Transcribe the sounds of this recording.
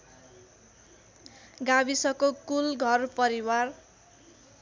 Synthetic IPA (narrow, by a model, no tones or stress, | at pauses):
ɡabisʌkokulɡʱʌrpʌɾiwar